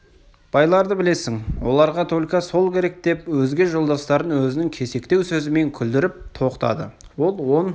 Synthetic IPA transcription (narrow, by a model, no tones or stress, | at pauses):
b̥ɑjlˠɑɾd̪əbɪle̞sɪŋwo̞lˠɑɾʁɑt̪ʰolʲkɑso̞lˠkʲʰe̞ɾe̞k̚d̪̥e̞pwɵzɡʲe̞ʒo̞lˠd̪ɑst̪ɑɾənwɵzɪnɪŋkʲʰe̞se̞kt̪e̞wsɵzɪme̞ŋkʲʰʏld̪ɪɾɪp̚t̪ʰo̞qt̪ɑ̰d̪əwo̞lˠwo̞n